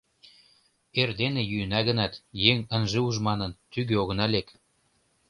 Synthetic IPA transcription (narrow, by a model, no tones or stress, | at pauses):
erd̪enejyənɑɣənɑt̪jeŋənʒeuʒmɑnə̆nt̪yɣøoɣənɑlek